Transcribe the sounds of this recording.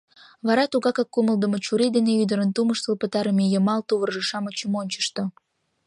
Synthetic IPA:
βɑɾɑt̪uɣɑkɑkːuməlˠd̪əmot͡ɕuɾid̪eneyd̪əɾənt̪uməʃt̪əlpət̪ɑɾəmejəmɑlt̪uβərʒəʃɑmot͡ɕəmonʲt͡ɕə̥ʃt̪o

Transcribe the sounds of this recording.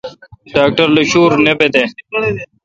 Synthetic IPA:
ɖaːk̚ʈɐɾluɕuːɾnebed̪e

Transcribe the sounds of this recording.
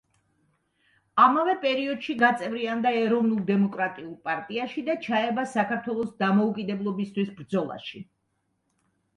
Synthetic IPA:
amavɛpʼɛɾiɔd̪ʃiɡat̪sʼɛvɾiand̪aɛɾɔvnulˠd̪ɛmɔkʼɾat̪ʼiulˠpʼaɾt̪ʼiaʃid̪at͡ʃʰaɛbasakʰaɾt̪ʰwɛlˠɔsd̪amɔukʼid̪ɛblˠɔbist̪ʰwisbɾd̪zɔlˠa̰ʃi

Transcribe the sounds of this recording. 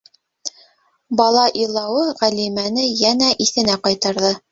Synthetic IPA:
bɑlˠɑʔilˠɑwɤʁælimænɘjænæʔiθɘ̆næqɑjt̪ɑɾðɤ

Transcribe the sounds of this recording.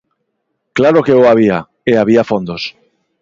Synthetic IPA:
klaɾo̞ke̞oaβ̞ia | eaβ̞iafo̞nd̪o̞s

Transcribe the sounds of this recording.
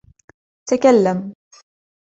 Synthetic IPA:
t̪akalːam

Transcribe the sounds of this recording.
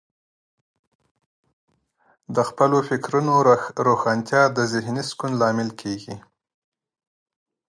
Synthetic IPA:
d̪əxpəlofɪkɾunoɾoxɑnt̪jɑd̪əzɪhniskunlɑmɪlkʰeɡi

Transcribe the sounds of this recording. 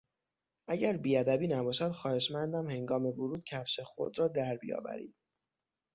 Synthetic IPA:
ʔæɟæɾbiːæd̪æbiːnæbɒːʃæd̪̥xɒːhe̞ʃmænd̪æmhe̞ŋɡɒːme̞voɾuːd̪̥̚cʰæfʃexo̰d̪ɾɒːd̪æɾbḭjɒ̰ːbæ̰ɾḭːd̪̥

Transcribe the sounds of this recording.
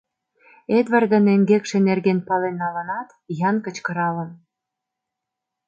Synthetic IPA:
ed̪βɑrd̪ə̆neŋɡekʃĕnerɣenpɑlenːɑlənɑt̪jɑnkə̆t͡ɕkɤ̆ɾɑlə̆m

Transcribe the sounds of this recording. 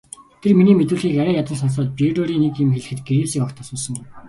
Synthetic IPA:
t̪ʰerminiːmet̪ŭːɮxiːkæɾæːjat̪ə̆nsɔns̬ɔːt̪̚pieɾoːɾiːnekɪmxeɮɘ̆xɘ̆t̪̚ɡeɾeːsiːkɔrt̪ʰăːsuːsə̆ŋɡʊj

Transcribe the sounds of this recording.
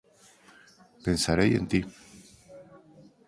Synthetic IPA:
pensaɾejḛnt̪i

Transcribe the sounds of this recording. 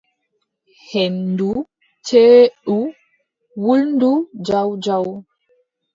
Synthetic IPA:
hɛndu | t͡ʃeːɗu | wulndud͡ʒawd͡ʒaw

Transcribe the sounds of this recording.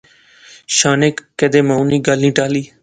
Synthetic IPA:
ʃaːnekːed̪eːmãːunĩːɡəlnĩːʈaːliː

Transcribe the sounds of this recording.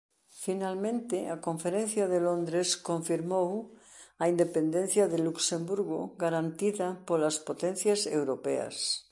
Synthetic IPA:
finalmẽnt̪eako̞ɱfeɾen̟θjaðelõnd̪ɾeskoɱfiɾmowaind̪epend̪ẽn̟θjaðeluksembuɾɣoɡaɾant̪iðapolaspot̪enθjasewɾopea̰s

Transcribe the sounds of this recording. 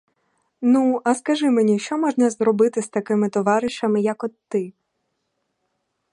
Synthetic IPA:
nuʔɐskɐʒɪmenʲiʃt͡ʃɔmɔʒnɐzɾɔbɪt̪ɪst̪ɐkɪmɪt̪ɔʋɑɾɪʃɐmɪjɐkɔt̪ːɪ

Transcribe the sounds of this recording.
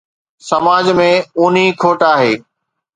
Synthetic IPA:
sɐmaːd͡ʑmẽuːnikʰoːʈaːɦeː

